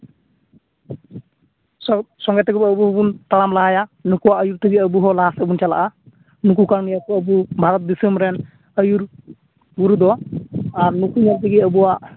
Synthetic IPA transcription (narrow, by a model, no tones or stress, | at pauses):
ɔsɔŋɡɛjt̪ʰəɡbəbuɦɔbunt̪alamlaɦajanukuwaʔəjuɾt̪ʰəɡiəbuɦɔlasəbunt͡ʃala̰ʔa | nuk̬ukanijakɔəbubʱaɾɔt̪̚d̪isəmɾɛn | əjuɾ | ɡuɾud̪ɔaɾnukuɲaɾt̪iɡiəbuwaʔ